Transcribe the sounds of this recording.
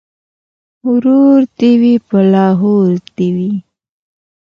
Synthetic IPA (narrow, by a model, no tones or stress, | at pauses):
hʊɾuɾd̪iwipəlɑɦoɾd̪iwi